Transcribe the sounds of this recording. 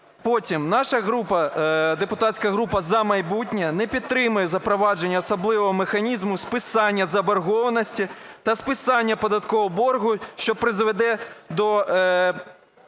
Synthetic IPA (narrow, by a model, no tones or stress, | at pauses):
pɔtʲimnɑʃɐɦɾupɐd̪epʊt̪ɑtʲsʲkɐɦɾupɐzɐmɐjbutʲnʲɐnɛpʲid̪̚t̪ːɾɪmʊjɛzɐpɾɔʋɑd͡ʒenʲːɐɔsɐblˠɪʋɔɦɔmexɐnʲizmʊspɪsɑnʲːɐzɐbɐrɦɔʋɐnɔsʲtʲit̪ɐspɪsɑnʲːɐpɔd̪ɐt̪kɔɦɔbɔrɦʊʃt͡ʃɔpɾɪzʋed̪ɛd̪ɔ